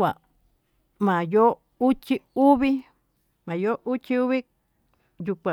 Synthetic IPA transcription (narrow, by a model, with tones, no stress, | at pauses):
a˨ | mã˨jo˦ | u˦t͡ʃi˦u˦βi˦ | mã˨jo˦ʔu˦t͡ʃi˦u˦βi˦ | ju˧kʷã˨